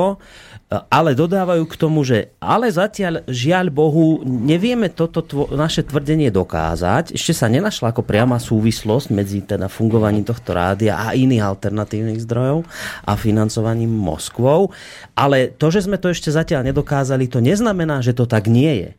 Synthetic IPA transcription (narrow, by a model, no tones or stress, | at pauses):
ɔ | ʔalɛd̪ɔd̪aːʋajuːkt̪ɔmuʒɛa̰lɛzacɪaʎʒɪaʎbɔɦuɲɛʋɪɛmɛt̪ɔt̪ɔt̪ʋɔnaʃɛt̪ʋr̩ɟɛɲɪɛd̪ɔka̰ːza̰cɛʃcɛsaɲɛnaʃlaːkɔpɾɪamaːsuːʋislɔzɟ̥mɛd͡zit̪ɛd̪afuŋɡɔʋaɲiːmt̪ɔxt̪ɔɾa̰ːd̪ia̰ʔa̰ʔiniːɣalt̪ɛɾnat̪iːʊniːɣzd̪ɾɔjɔʊʔa̰finant͡sɔʋaɲiːmːɔ̰skʋɔʊ | ʔalɛt̪ɔʒɛzmɛt̪ɔɛʃcɛzacɪaʎɲɛd̪ɔkaːzalit̪ɔɲɛznamɛnaːʒɛt̪ɔt̪aɡɲɪɛjɛ̰